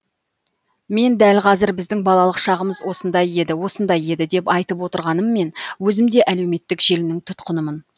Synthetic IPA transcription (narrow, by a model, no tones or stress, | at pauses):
me̞nd̪ælqʰɑzɪɾbɪzd̪ɪŋbɑlˠɑlˠəqʃɑʁəməzwo̞sənd̪ɑje̞d̪ɪwo̞sənd̪ɑje̞d̪ɪd̪e̞pɑjt̪əpwo̞t̪əɾʁɑnəmːe̞nwɵzɪmd̪e̞ʔæle̞wme̞t̪ːɪkʒ̥e̞lɪnɪŋt̪ʰʊt̪qənəmən